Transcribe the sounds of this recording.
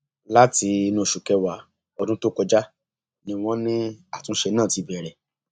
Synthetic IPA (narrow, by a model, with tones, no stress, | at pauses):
la˦ti˧nũ˦˨ʃu˨kɛ˧wa˧ | ɔ˧dũ˦to˦kɔ˧d͡ʒa˦ | nĩ˧w̃ɔ̃˦nĩ˦a˦˨tũ˨˦ʃe˧nãː˦˨ti˨˧˦bɛ˨ɾɛ˨